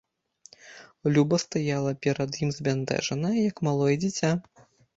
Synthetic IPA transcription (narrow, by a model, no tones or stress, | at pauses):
lʲubɐst̪ajalˠɐpʲɛɾɐd̪jimzʲbʲand̪ɛ̰ʐɐnɐjɐjɐkmalˠɔjɛd͡zʲit͡sʲa